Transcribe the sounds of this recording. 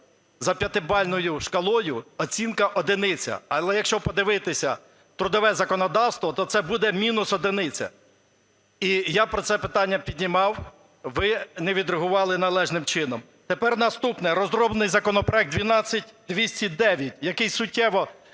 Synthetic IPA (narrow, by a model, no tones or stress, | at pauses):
zɐpʲɐt̪ɪbɑlʲnɔjʊʃkɐlˠɔjʊɔt͡sʲinkɐʔɔd̪ɪnɪt͡sʲɐ̰ɐlˠɛjɐkʃt͡ʃɔpɔd̪ɪʋɪt̪ɪsʲɐ | t̪ɾʊd̪ɔʋɛzɐkɔnɔd̪ɑwst̪ʋɔt̪ɔt̪sɛbud̪ɛmʲinʊsɔd̪ɪnɪt͡sʲɐ̰ | ijɑpɾɔt̪sɛpɪt̪ɑnʲːɐpʲidʲnʲimɑw | ʋɪnɛʋʲid̪ɾeɦʊʋɑlˠɪnɐlˠɛʒnɪmt͡ʃɪnɔm | t̪epɛrnɐst̪upnɛɾɔzɾɔblˠnɪjzɐkɔnɔpɾɔɛk̚d̪ʲʋʲinɑt͡sʲːɐtʲd̪ʋʲisʲtʲid̪ɛʋʲjɐtʲjɐkɪjssʊtʲːɛʋɔ